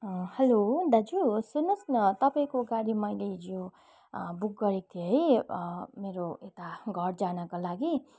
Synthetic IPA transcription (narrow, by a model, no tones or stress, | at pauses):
hʌlod̪ʌd͡zusunʌsnʌt̪ʌpaĩkoɡaɽimʌjled͡zo | buk̚ɡʌɾik̚t̪ʰijeɦʌj | meɾoet̪aɡʱʌɽd͡zanʌkolaɡi